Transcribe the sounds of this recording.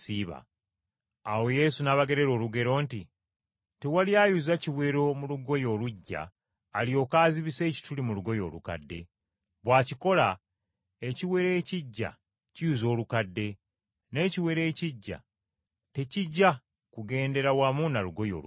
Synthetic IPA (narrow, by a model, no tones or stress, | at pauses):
siβa̰ː | we̞je̞sunaβaɡe̞ɾe̞ɾo̞ːluɡe̞ɾo̞ːnti | te̞waljaːjuzaciβwe̞ːɾo̞muluɡo̞jo̞ːluɟːa̰ː | lijo̞ːkaːziβise̞ːci̥tulimuluɡo̞jo̞̰ːluka̰dːe̞̰ | βwaːciko̞la | e̞ciwe̞ɾeːciɟːa̰ | cijuzo̞ːlukadːe̞ | ne̞ːciwe̞ɾe̞ːciɟːa̰ | te̞ciɟːa | kuɡe̞ːnde̞ɾawamunaluɡo̞jo̞̰ː